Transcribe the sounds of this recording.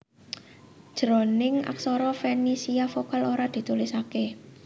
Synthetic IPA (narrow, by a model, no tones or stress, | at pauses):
d̥ʒ̥ɾonɪŋa̰ksɔɾɔfenisiafokaloɾad̪̥i̤t̪ulɪsake